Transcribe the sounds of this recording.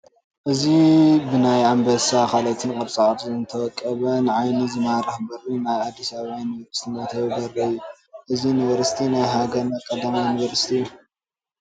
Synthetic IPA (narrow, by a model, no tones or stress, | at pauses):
ʔɨzibɨnajambɐsakʰalɐt̪ʰɨnkʼɐβsʼaʕt̪ɨnt̪ʰɐwɔkʼːɐβɐnʕajnizɨmaɾɐhbɐrinajad̪ːisaβajnivɐɾsi̥t̪ʰinɐt̪ʰɐβbɐrːɐjːu | ʔɨzinivɐɾsi̥t̪ʰinajɦaɡɐɾnɐkʼɐd̪amajuniβɐɾsi̥t̪ʰiju